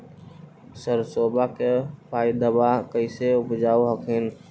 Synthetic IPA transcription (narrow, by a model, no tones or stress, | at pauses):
səɾsoːbakepaːid̪əbakəɪseʊpd͡ʒaːuɦəkʰɪn